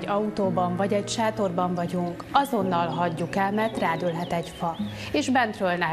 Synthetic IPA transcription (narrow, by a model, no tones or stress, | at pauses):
ɒut̪oːbɒɱvɒɟɛcʃaːt̪o̞rbɒɱvɒɟuŋk | ɒzo̞nːɒlɦɒɟːukɛlmɛrt̪raːd̪ølɦɛt̪ɛɟfɒ | eːʒbɛnt̪røːlnɛ